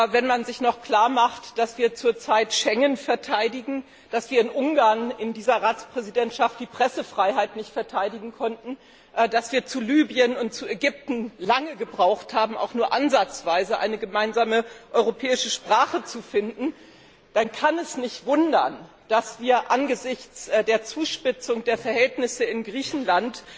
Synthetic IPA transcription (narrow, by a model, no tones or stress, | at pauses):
vɛnmanzɪçnɔχkl̥aːɐmaχtd̥asv̥iːɐt͡suːɐt͡saɪtʃɛŋənfɛɐtʰaɪdɪɡŋ̩ | d̥asv̥iːɐɪnʔʊŋɡaːɐnɪndiːzɐʁaːt͡spʁ̥ɛzidɛntʃaft̚d̥iːpʁ̥ɛsəfʁ̥aɪɦaɪtnɪçtfɛɐtʰaɪdɪɡŋ̩kʰɔntn̩ | ʔdasv̥iːɐt͡sulyːbiənʊnt̚t͡sueɡʏp̚tn̩laŋəɡəbʁaʊxthaːbm̩a̰ʊxnuːɐʔanzat͡sv̥aɪzəʔa̰ɪnəɡəmaɪnzaːməʔɔʏʁopʰɛːɪʃəʃpʁ̥aːχət͡sufɪndn̩ | d̥ankʰanɛsnɪçtv̥ʊndɐ̰n | d̥asv̥iːɐʔanɡəzɪçt͡sdeːɐt͡suːʃpɪt͡sʊŋdeːɐfɛɐɦɛltnɪsəɪnɡʁiːçn̩lant